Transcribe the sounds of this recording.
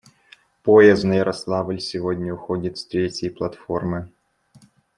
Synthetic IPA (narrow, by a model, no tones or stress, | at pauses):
poɛznɐjəɾʔɐslˠɑvəlʲsʲɪvodʲnʲəʊxodʲɪt̪sʲt̪ɾʲetʲjəjplˠɐt̪fo̞rmɨ